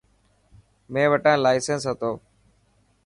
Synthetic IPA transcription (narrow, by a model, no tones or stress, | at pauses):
mẽːʋəʈãːlaːɪsensɦət̪oː